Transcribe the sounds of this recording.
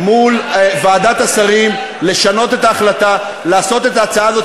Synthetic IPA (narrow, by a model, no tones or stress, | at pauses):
mulvaːd̪at̪asaʁim | le̞ʃano̞t̪e̞t̪aːχlat̪a | laːso̞t̪e̞t̪aːt͡saaːzo̞